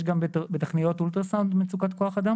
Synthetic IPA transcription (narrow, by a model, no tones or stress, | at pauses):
ʃɡambebet̪aχnijo̞tult̪eʁsauntmet͡sukat̪ko̞aχad̪a